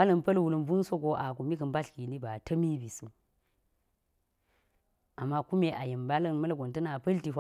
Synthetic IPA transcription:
a˦lɐ˨npɐ˦lwu˨lɐ˨nbu˦n˦so˦ko˨ʔa˨ku˨mi˦kə˨mba˦ɬki˨ni˦ba˨tʰɐ˦mi˦bi˨su˦ | a˨mːa˦ku˦me˨ʔa˨je˨mba˦lɐ˦nmɐ˦lɡʷo˨ntɐ˦na˨pɐ˦lti˨fʷa˦

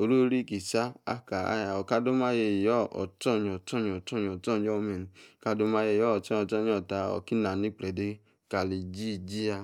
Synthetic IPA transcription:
o˨ɾu˦ɾi˦˨ki˨sa˦a̰˦ka˨a̰˦ja˨ɔ˨ka˧do˦ma˦je˧˨jɔ˦ɔ̰˨tɔ˦˨ɲ˨ɔ˨tɔ˦˨ɲ˨ɔ˨tɔ˦ɲ˨ɔ˨tɔ˦˨ɲ˦ɔ˦mɛ˨ni˨ka˧˦do˧ma˧˦je˧˨jɔ˦˨tɔ˦˨ɔ˨tɔ˦ɲ˦ɔ˨ta˧˨ɔ̰˨ki˦na˨ni˦k͡plɛ˨de˦ | ka˨li˨d͡ʒi˦˨d͡ʒi˦a˧

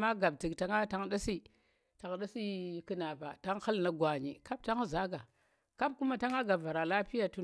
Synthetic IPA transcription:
ma˦ɡa˨b̚ti˨kta˨ŋa˦ta˦ŋɗa˦si˦ | ta˨ŋɗa˦si˦kɨ˨˦na˨pa̰˨ta˦ŋxa˦lna˨ɡwa˨ɲḭ˨ka˦b̚ta˦ŋ˦za˦ɡa˨ | ka˦b̚ku˦ma˦ta˦ŋa˦ɡa˨bva˨ɾa˨la˦pi˦ja˨tu˦

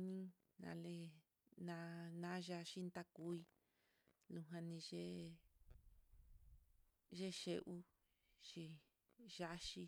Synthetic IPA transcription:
nĩ˦ | nã̰˧le˧ | nã˧nã˦ʒa˧ʃi˦nd̪a˦ku˧˦i˧ | lũ˧ɦã˧nĩ˧ʒe˦ | ʒe˦ʃe˧ʔu˦ | ʃi˧ | ʒa˦ʃi˧

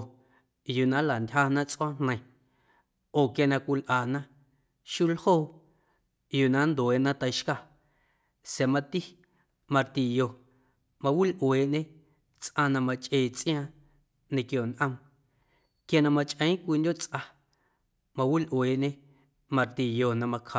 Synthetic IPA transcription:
juː˧˨nã˦la˨ndʲha˧nã˦t͡sʔɔ̃˦n̥nə̃˧j̃ | oː˨kja˧nã˧kʷi˧lʔaː˨nã˦ | ʃu˦lhoː˦˨ | juː˨nã˦nd̪o˨e˨ʔnã˦t̪ə˧jʃka˧˨ | sja˨mã˧t̪i˦ | mã˧ɾt̪i˨jo˨ | mã˧wi˦lʔweː˨ʔɲẽ˦ | t͡sʔã˧nã˧mã˧t͡ʃʼʔeː˧˨t͡sʔj̃ãː˦ | nẽ˧kjo˨nʔə̃˧m | kja˧nã˧mã˧t͡ʃʼʔə̃˨˦ĩ˦kʷi˧ndʲo˦t͡sʔa˧ | mã˧wi˦lʔweː˨ʔɲẽ˦ | mã˧ɾt̪i˨jo˧˨nã˧mã˧kʰa˧˨

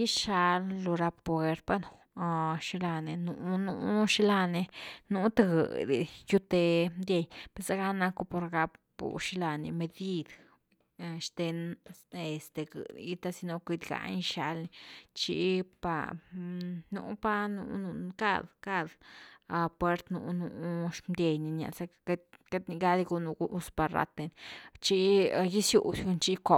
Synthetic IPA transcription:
ji˦ʃa˧llo˧ɾa˧ppe˧ɾpa˦nu˨˧ | ʃi˧la˧ne˧nu˧˨nu˧˦ʃi˦la˧ne˧nu˦t̪a˧ɡɨ̰˨d̪ḭ˨ju˦t̪e˧d̪ʲje˧jpe˧sa˧ɡa˦na˧ku˧˦po˧ɾɡa˧p | ṵ˨ʃi˧la˧nḭ˧me˧d̪i˧d̪ | ʃt̪e˧ne˧st̪e˨ɡɨ̰˨d̪̰ɡi˧t̪a˧si˧no˧kʷi˧d̪ɡa̰˧n˧ʃa˧lni˧t͡ʃḭ˧˦pa̰˧ | nṵ˨pa˦nṵ˧nu˧ka̰˦˧d̪ka˦d̪a˧pwe˦ɾt̪nṵ˧˨nu˧˦ʃmd̪ʲe˧jni˧na̰˨sa˧˦ka˦t̪ni˧ɡa˧d̪i˧ɡu˧nu˧u˧ʔspa˧ɾa̰˧t̪e˧nt͡ʃi˦˧ji˦sjṵ˨ɡu˧nt͡ʃi˦ko˧

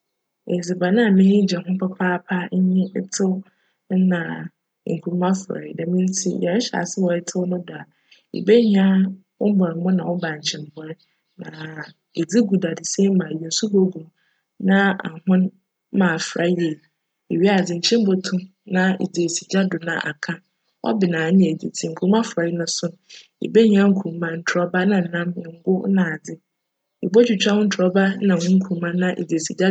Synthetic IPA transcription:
e˨d͡zi˨ba˨nã˦˨mɪ̃˦ɲĩ˦d͡ʑɛ˨hʊ̃˦m˦pʰa˦pʰaː˦pʰa˦ɲ˦ɲɪ̃˦tʰɪ˦w̩˦ | nã˨ | ŋ̩˨kʰu˦ɾmã˦fɾa̰˨da˨mĩ˦n˦tʰi˦˨ɛ˨˦ɕa̰˨sɪ˦wɔ˨ɛ˨tʰɪ˦wnʊ̃˦dʊ˨a˨ | ḛ˨be˦ɲi˦˨a˦ | wʊ˦m˦bɔ˨ɾmʊ̃˦nã˨wʊ˦ba˨ɲ̩˨t͡ɕʰɪ̃˨m˨bɔ˦ɾ | nã˨ | e˨d͡zi˦ɡu˨da˨dɪ˨se˦mã˨jɛ˨n̩˨su˦bo˦ɡu˨ | nã˦a̰˨hʊ̃˦n˦ | mãː˨fɾa˦je˨ | e˨ɥi˦a˨d͡zɪ˨ɲ̩˨t͡ɕʰɪ̃˦m̩˦bo˦tʰũ˦ | nã˦ḭ˨d͡ze˨si˨d͡ʑa˦dʊ˨nã̰˨ʔa̰˨kʰã˦ | ʔɔ̰˦bɪ˨nãː˨˦ɲ̃˨di˨tʰi˨ŋ̩˨kʰũ˦ã˦fɾa˨ji˦nʊ̃˨sʊ˦n˨ | ḛ˨be˦ɲ˨˦ã˦ŋ̩˦kʰũ˨˦mã˦n̩˨tʰɔ˦ba˦nã˨n̩˨nã˦mɪ˨ŋ̩˦ɡʊ˦nã˨d͡zɪ˦ | ḭ˨bo˦t͡ɕʰᶣu˨t͡ɕᶣa˦wʊ˦n̩˦tʰɔ˦ba˦nã˨hʊ̃˦ŋ̩˦kʰũ˨˦mã˦nã˦ʔḛ˨d͡zsi˨d͡ʑa˦

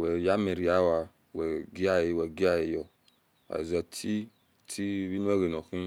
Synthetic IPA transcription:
wɛ˨ja˦me˨ɾi˨a˨˦wa˨ | wɛ˨ɡi˦a˦je˨wɛ˨ɡi˦a˦je˨jɔ˨ | a̰˨zɛ˨tʰi˦ | tʰi˦βi˦nu˦ɛ˦ɡe˨nɔ̃˨kĩ˦

